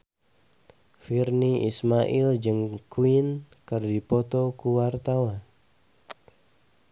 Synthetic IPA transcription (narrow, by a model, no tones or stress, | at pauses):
firniismaʔild͡ʒɨŋkuin | kərdipɔt̪ɔkuwart̪awan